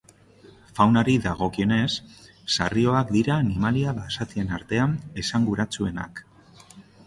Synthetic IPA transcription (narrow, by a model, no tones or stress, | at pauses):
fawnaɾiðaɣ̞o̞kio̞ne̞sː | a̰rio̞ak̚d̪iɾaːnimaliaβasat̪ie̞naɾt̪e̞ane̞saŋɡuɾat͡sue̞na̰k